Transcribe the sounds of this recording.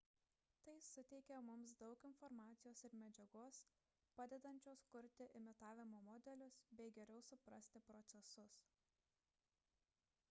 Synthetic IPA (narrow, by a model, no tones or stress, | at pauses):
t̪ɐɪsʊt̪ʲɛɪkʲɛmʊmsd̪ɒʊkɪnfɔɾmɑːt̪sʲɪjoːsɪɾmʲɛd͡ʒʲɛɡoːs | pɑːd̪ʲɛd̪ɐnʲt͡ʃʲoːskʊɾʲt̪ʲɪʔɪmʲɪt̪ɑːʋʲɪmoːmɔd̪ʲɛlʲʊsbʲɛɪɡʲɛɾʲɛʊsʊpɾɐsʲt̪ʲɪpɾɔt̪sʲɛsʊs